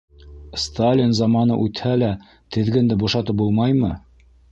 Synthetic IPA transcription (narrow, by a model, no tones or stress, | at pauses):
st̪alʲinzɑmɑnɤ̰ʔʉt̪hælæ | t̪ɘ̆ðɡɘ̆nd̪ɘbuʃɑt̪ɤp̚bulˠmɑjmɤ